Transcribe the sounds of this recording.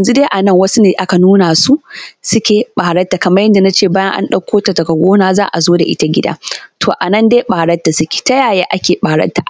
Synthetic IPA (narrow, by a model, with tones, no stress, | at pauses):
jɐ˨nzu˦deː˦ʔa˨nɐ˦˨ŋwɐ˦su˦neː˨ʔa˦ka˨nuː˦na˨su˦sʊ˦kʲeː˨ɓaː˨ɽɐ˦tːa˨kɐ˨mɐ˦jɐ˦nda˨na˦t͡ʃeː˦˨baː˦jɐ˦ʔa̰˦nɗɐ˦kʷːoː˦ta˨tɐ˨kɐ˨ɡʷoː˦naː˦zaː˦ʔa˨zoː˦da̰˨ʔɪ̰˦ta˦ɡʲɪ˦da̰ː˦tʰoː˨ʔa˨nɐ˦ndeː˦ɓaː˨ɽɐ˦tːa˨sʊ˦kʲe̥ː˨ta˦jaː˨jeː˦ʔa˦kʲeː˨ɓaː˨ɽɐ̰˦tːa˨ʔ